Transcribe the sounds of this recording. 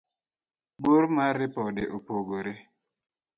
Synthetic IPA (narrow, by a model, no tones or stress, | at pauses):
boɾmaɾɪpɔdɪʔopoɡoɾe